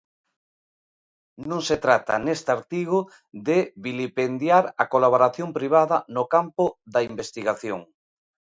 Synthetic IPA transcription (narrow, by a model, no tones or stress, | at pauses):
nõŋset̪ɾat̪a̰nest̪aɾt̪iɣ̞ʊ | ðeβilipend̪jaɾakolaβ̞oɾaθjompɾiβ̞aðɐnokampʊðaimbest̪iɣaθjoŋ